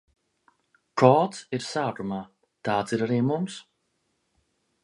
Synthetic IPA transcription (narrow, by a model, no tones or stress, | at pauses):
kɔːt̪siɾsaːkumaː | t̪aːt̪siɾaɾiːmums